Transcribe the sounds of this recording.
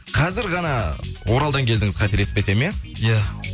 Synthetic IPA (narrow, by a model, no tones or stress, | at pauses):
qʰɑzɪɾʁɑnɑwʔo̞ɾɑlˠd̪ɑŋkʲʰe̞ld̪ɪŋɪz̥qʰɑt̪eɾe̞spbe̞se̞meja